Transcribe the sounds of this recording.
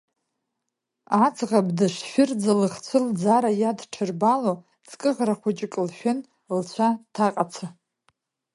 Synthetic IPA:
at͡sʰʼʁabdɨʂʃʷᶣɪrd͡zalɨχt͡ɕʷʰɨld͡zaɾajadʈ͡ʂʰɨrbalo | t͡sʰʼkʼɨʁraχʷʊt͡ʃʼɪkʼlʃᶣɪn | lt͡ɕʷʰatʰaqʼat͡sʰa

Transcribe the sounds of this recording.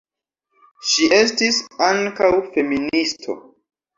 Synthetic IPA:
ʃiʔe̞stisaŋkawfe̞ministʰo̞̰

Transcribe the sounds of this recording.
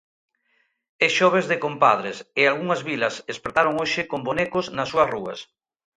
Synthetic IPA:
eʃɔβ̞ezðekompa̰ð̞ɾesealɣuŋɐzβilɐsespɾet̪aɾoŋoʃɪkombonekoznɐsːuɐsruɐ̰s

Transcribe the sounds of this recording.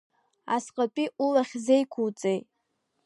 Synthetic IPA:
a̰sqʼapʼiʔulaχʲzejkʷʰuwt͡sʼej

